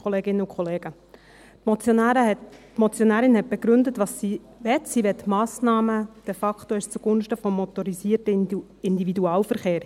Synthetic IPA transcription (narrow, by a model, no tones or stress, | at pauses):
oleːɡɪnːəukʰχɔleːɡ̥ə | mɔt͡sjon | tmɔt͡sjonæːɾɪnhɛt̚b̥eɡɾʉndətʋɑsi | ʋɛtsiʋɛt̪mɑːsnɑːməd̥efɑktoɪst͡suɡ̥ʊnʃtəfɔmːɔt̪ɔɾisiːərtə | ɪndividuɑːlfəɾχeːɾ